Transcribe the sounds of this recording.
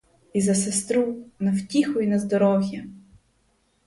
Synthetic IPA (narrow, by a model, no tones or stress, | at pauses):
izɐsest̪ɾunɐwtʲixʊjʊnɐzd̪ɔɾɔwʲjɐ